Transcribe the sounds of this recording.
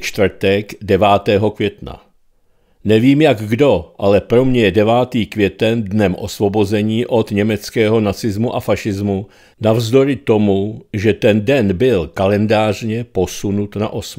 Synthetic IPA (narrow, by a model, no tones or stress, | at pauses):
t͡ʃt̪vr̩t̪ɛɡdɛvaːt̪ɛːɦo̞kvjɛt̪na̰ | nɛviːmjaɡɡdo̞ʔalɛpɾo̞mɲɛjɛdɛvaːt̪iːkvjɛt̪ɛndnɛmʔo̞svo̞bo̞zɛɲiːʔo̞d̪ɲɛmɛt͡skɛːɦo̞nat͡sɪzmuʔafaʃɪzmu | navzdo̞ɾɪt̪o̞muʒɛt̪ɛndɛnbɪlkalɛndaːr̝ɲɛpo̞sunut̪na̰ʔo̞sm